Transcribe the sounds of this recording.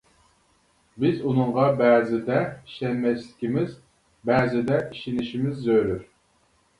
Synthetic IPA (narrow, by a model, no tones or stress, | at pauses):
bɪzunɨɴʁɑbɛːzɪd̪ɛiʃɛnmɛslɪ̥kʲimɪz | bɛːzɪd̪ɛʔiʃinɪʃimɪzːøjɾyɾ